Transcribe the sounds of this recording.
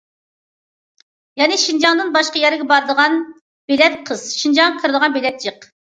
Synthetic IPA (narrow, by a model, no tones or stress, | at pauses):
jɛnɪʃind͡ʒɑŋd̪ɨnbɑʃqɑjɛɾɪɡʲɛbɑɾd̪əʁɑn | b̥elɛt̪̚qʰəz̥ʃind͡ʒɑŋqʰəɾɨd̪əʁɑnbelɛt̪̚d͡ʒɨq